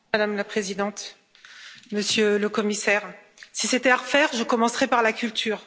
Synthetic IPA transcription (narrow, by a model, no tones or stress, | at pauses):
ad̪amlapχezid̪ɑ̃t̪ | məsjøləkɔmisɛʁ | siset̪ɛaʁəfɛʁʒəkɔmɑ̃sχɛpaʁlakʲylt̪ʰyːʁ